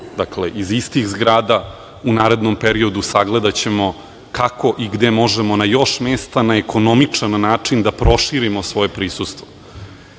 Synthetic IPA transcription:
d̪akleʔizist̪ixzɡɾaːd̪a | unaːɾe̞d̪nompeɾio̞d̪usaɡle̞d̪at͡ɕe̞mo̞ | kako̞ʔiɡd̪emo̞ʒemo̞najo̞ʂmest̪anaekʰo̞nomit͡ʂanːaːt͡ʂind̪apɾo̞ʃiɾimosʋo̞je̞pɾisust̪vo

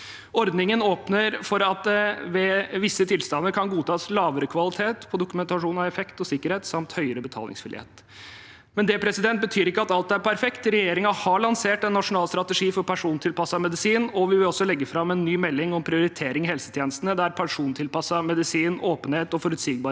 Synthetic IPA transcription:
ɔɾd̪nɪŋənoːpnəɾfɔɾɑt̪̚d̪ɛʋɛʋɪsːət̪ʰɪlst̪ɑnːəɾkʰɑnɡuːt̪ʰɑːslɑːʋəɾəkʰʋɑlɪt̪ʰeːt̪pʰɔd̪ʊkʉmɛnt̪ɑʂuːnɑʋɛfɛkt̪ɔsɪkːəɾheːt̪sɑmt̪hœʏəɾəbət̪ʰɑ̰lɪ̰ŋsfɪlɪ̰ḛːt̪ | mɛnd̪ɛpʰɾɛsɪd̪ɛnt̪̚bət̪ʰyːɾɪkːəɑt̪ɑlt̪æɾpʰæɾfɛkt̪ɾɛjeːɾɪŋɑhɑɭɑnseːʈɛnːɑʂʊnɑːlst̪ɾɑt̪əʂiːfɔɾpʰæʂuːnt̪ʰɪlpɑsːɑmɛd̪ɪsiːnɔʋɪʋɪlɔsːɔlɛɡːəfɾɑmɛnːyːmɛlːɪŋɔmpʰɾɪʊɾɪt̪ʰeːɾɪŋɪhɛlsə̥t̪ʰjeːnəst̪nəd̪æɾpʰɛnʂuːnt̪ʰɪlpɑsːɑmɛd̪ɪsiːnoːpənheːt̪ɔfɔɾʉt̪siːɡ̚bɑɾ

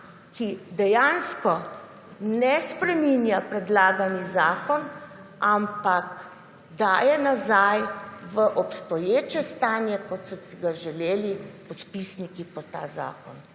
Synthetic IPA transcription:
kid̪ɛjanskɔ | nɛspɾɛminjapɾɛd̪laːɡanizaːkɔn | ampak | d̪aːjɛnazajʋəʔɔpst̪ɔjeːt͡ʃɛst̪aːnjɛkɔt̪sɔsiɡaʒɛleːlipɔt̪pisnikipɔt̪aːza̰ːkɔn

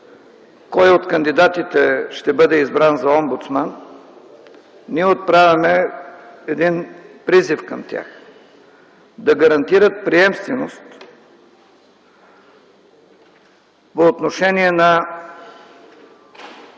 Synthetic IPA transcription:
kɔjot̪kɐnd̪id̪at̪it̪ɛʃt̪ɛbɤd̪ɛizbɾanzɐɔmbut̪sman | iɛot̪̚pɾavʲɐmɛ | ɛd̪inpɾizifkɐmt̪ʲa̰x | d̪ɐɡɐɾɐnt̪iɾət̪̚pɾiɛmst̪vɛnost̪ | poːt̪noʃɛniɛnɐ

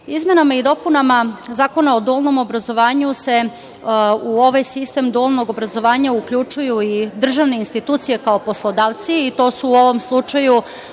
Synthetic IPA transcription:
izmʲje̞namaid̪o̞punamazaːko̞nao̞d̪ulˠno̞mo̞bɾazo̞ʋaːɲuse̞ | uo̞ʋajsist̪e̞md̪ulˠno̞ɡo̞bɾazo̞ʋaːɲaukʎut͡ʃujuid̪r̩ʒaʋneinst̪it̪uːt̪sije̞kao̞po̞slˠo̞d̪aːʋt̪siːt̪o̞ːsuːo̞ʋo̞mslˠut͡ʃaju

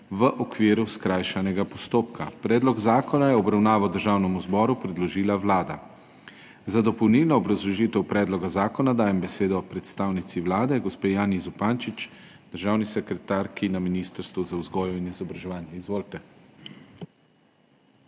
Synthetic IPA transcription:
ʋəʔɔkʋiːɾuskɾaːjʃanɛɡapɔst̪oːpkʰapɾɛːd̪lɔɡzaːkɔnajɛɔbɾawnaːʋawd̪əɾʒaːwnɛmuzbɔːɾupɾɛd̪lɔʒiːlaʋlaːd̪a̰ | zad̪ɔpɔwnilnɔːbɾazlɔʒit̪ɛwpɾɛːd̪lɔɡazaːkɔnad̪aːjɛmbɛseːd̪ɔpɾɛt̪st̪aːwnit̪siʋlaːd̪ɛɡɔspeːjaːnizɔpant͡ʃit͡ʃ | d̪̥əɾʒaːwnisɛkɾɛt̪aːɾkinaminiːst̪əɾst̪ʋuzauzɡɔːjɔinizɔbɾaʒɛʋaːnjɛizʋoːlt̪ɛ

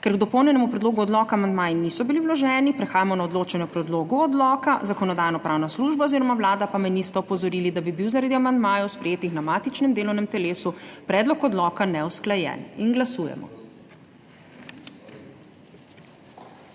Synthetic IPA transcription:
kɛɾɡd̪ɔpɔwnʲjɛnɛmupɾɛd̪loːɡuɔd̪lɔːkamand̪maːjinisɔbiliwlɔʒɛːnipɾɛxaːjamɔnaɔd̪loːt͡ʃɛnjɛpɾɛd̪loːɡuɔd̪lɔːkazakɔnɔd̪aːjnɔpɾaːwnasluʒbaoziːɾɔmawlaːd̪apamɛnist̪ɛɔpɔzɔɾiːlid̪abibiwzaɾad̪iamand̪maːjɔwspɾɛjeːt̪ixnamaːt̪it͡ʃnɛmd̪eːlɔwnɛmt̪ɛleːsupɾɛːd̪lɔkɔd̪lɔːkanɛwsklajɛ̰ninɡlasujɛ̰mɔ̰

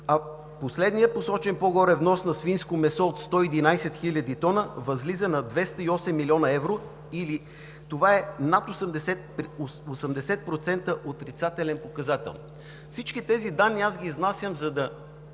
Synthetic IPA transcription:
ɐ | poslɛd̪nijət̚posɔt͡ʃɛnpoɡɔɾɛvnɔsnɐsfinskomɛsɔot̪st̪ɔid̪inajsɛt̪xilʲəd̪it̪ɔnəvɐzlizənɐd̪vɛst̪əiɔsɛmːiliɔnɐɛvɾo | ili | t̪ovaɛnat̪osəmd̪ɛsɛt̪̚posɐmd̪ɛsɛt̪̚pɾot̪sɛnt̪əʔot̪ɾit̪sat̪ɛlɛnpokɐzat̪ɛ̰lˠn | fsit͡ʃkit̪ɛzid̪anːiazɡʲiznasʲjəmzɐd̪ɐ

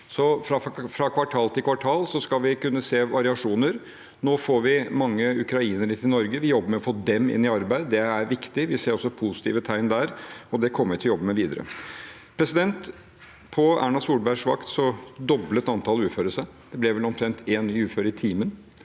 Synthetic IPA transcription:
sɔfɾɑfɾɑkʰʋɑʈʰɑːlt̪ʰɪlkʰʋɑʈʰɑːlsɔskɑlʋɪkʉnːəseːʋɑɾɪɑʂuːnəɾ | noːfoːɾʋɪmɑŋːəʉkɾɑiːnəɾət̪ʰɪnɔɾɡəʋɪjɔbːəmɛɔfoːd̪ɛmɪ̰nːɪɑɾbæɪd̪əd̪ɛæɾʋɪkt̪ɪʋɪseːɾɔsːɔpʰusɪ̥t̪ḭːʋət̪ʰæɪnd̪æːɾɔd̪ɛkʰɔmːəʋɪt̪ʰljɔbːəmɛʋiːd̪əɾə̰ | pʰɾɛsɪd̪ɛnt̪ | pʰɔæ̰ːɳɑsuːlbæʂʋɑkt̪sɔd̪ɔblət̪ɑnt̪ʰɑːlʉːføːɾəʂæɪd̪̥ɛblɛʋɛlɔmt̪ʰɾɛnt̪ʰeːnɪʉːføːɾəɪt̪ʰiːmən

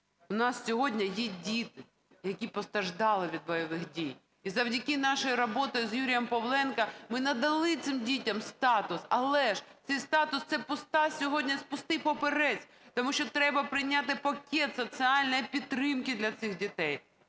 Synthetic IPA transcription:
ʊnɑssʲɔɦɔdʲnʲɐjɛdʲit̪ɪ | jɐkʲipɔst̪ɾɐʒd̪ɑlˠɪʋʲid̪̚bɔjɔʋɪxdʲij | izɐwdʲɐkɪnɑʃɔjiɾɔbɔt̪ɔjʊzjuɾʲɪjɛmpɔwlˠɛnkɐmɪnɐd̪ɐlˠɪt̪sɪmdʲitʲɐmst̪ɑt̪ʊsɐlˠɛʒt̪sɛjst̪ɑt̪ʊst̪sɛpʊst̪ɑsʲɔɦɔdʲnʲɐspʊst̪ɪpɔpeɾɛsʲ | t̪ɔmuʃt͡ʃɔt̪ɾɛbɐpɾɪjnʲat̪ɪpɐkʲɛt̪sɔsʲiɑlʲnɐjipʲit̪ːɾɪmkɪd̪lʲɐt̪sɪxdʲit̪ɛj

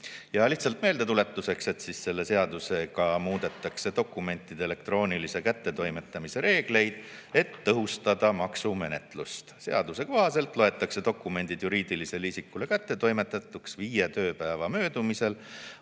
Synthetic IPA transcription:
jɑliht̪sɑlt̪ˑme̞ːld̪̥e̞t̪ule̞t̪ːˑuse̞kse̞t̪sisse̞lːe̞se̞ɑd̪̥use̞kɑmuːd̪̥e̞t̪ːˑɑkse̞d̪o̞kːˑume̞nt̪ːˑid̪̥eele̞kt̪ro̞ːnilise̞kæt̪ːe̞t̪o̞jme̞t̪ːˑɑmise̞ɾe̞ːɡ̥le̞jd̪̥e̞t̪ːɤɦust̪ɑd̪̥ɑmɑksume̞ne̞t̪lust̪se̞ɑd̪̥use̞ko̞ɦɑse̞lt̪ˑlo̞e̞t̪ːˑɑkse̞d̪o̞kːˑume̞nʲd̪̥id̪̥juɾiːd̪̥ilise̞lisikːule̞kæt̪ːe̞t̪o̞jme̞t̪ːˑɑt̪ːˑuksviːjet̪ø̞ːpæevɑmø̞ːd̪̥umise̞l

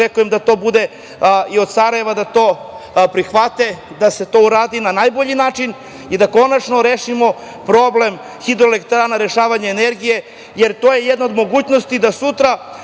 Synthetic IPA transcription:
ekujemd̪at̪o̞ːbud̪e̞ | io̞d̪saɾaje̞ʋad̪at̪o̞ː | pɾixʋat̪e̞ | d̪ase̞t̪o̞uɾaːd̪inanajbo̞ʎinaːt͡ʃin | id̪ako̞nat͡ʃno̞ɾeːʃimo̞ | pɾo̞ble̞m | xid̪ɾoelekt̪ɾanaɾe̞ʃaːʋaɲeːneɾɡije̞ | je̞ɾt̪oje̞jed̪nao̞d̪mo̞ɡuːt͡ɕno̞st̪id̪asut̪ɾa

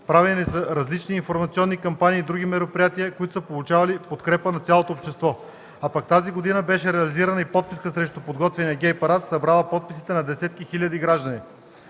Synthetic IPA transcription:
pɾavɛninisəɾɐzlit͡ʃniːnfoɾmɐt̪sʲiɔnːikɐmpaniːd̪ɾuɡ̟imɛɾopɾijat̪iəkoit̪o̥səpolˠut͡ʃavɐlipot̪kɾɛpənɐt̪sʲalˠot̪oːpʃt̪ɛst̪vɔ | apɐkt̪aziɡod̪inəbɛʃɛɾɛɐliziɾənəipɔt̪̚piskəsɾɛʃt̪upod̪ɡɔt̪vɛnijəɡʲɛjpɐɾat̪sɐbɾalˠəpɔt̪̚pisi̥t̪ɛnɐd̪ɛsɛt̪kixilʲəd̪iɡɾaʒd̪əni

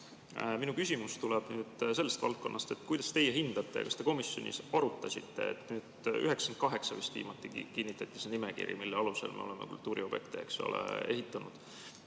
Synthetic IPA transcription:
minukysʲimust̪ulɛb̥nyːd̪̥se̞lːest̪vɑ̰lt̪̚ko̞nːɑst̪e̞t̪ːˑkujd̪̥ɑst̪e̞jeɦind̪̥ɑt̪ːˑe̞̰kɑst̪e̞ko̞misjonʲʔḭsɑɾut̪ːˑɑsʲit̪ːe̞ḛt̪ːnyːd̪̥yɦeksɑnt̪̚kɑɦe̞ksɑvist̪vḭːmɑt̪ːˑikinːit̪ːˑɑt̪ːˑi̥senimekḭɾḭmilːeɑluse̞̰lmeo̞̰lemḛkṵlt̪ːˑuːɾio̞b̥jekt̪eekso̰lḛe̞hit̪ːˑɑnud̪̥

